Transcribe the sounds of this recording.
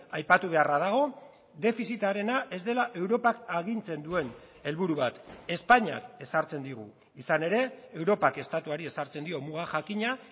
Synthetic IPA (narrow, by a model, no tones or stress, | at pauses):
ajpat̪uβ̞e̞arað̞aɣ̞o̞ | d̪e̞fisit̪aɾe̞naʔe̞zd̪e̞laʔe̞wɾo̞pakaɣint͡se̞nd̪ue̞n | e̞lβuɾuβat̪e̞spaɲa̰ke̞saɾt͡se̞nd̪iɣ̞ṵ | isane̞ɾe̞ewɾo̞pake̞st̪at̪uaɾie̞saɾt͡se̞nd̪io̞muɣaxakiɲa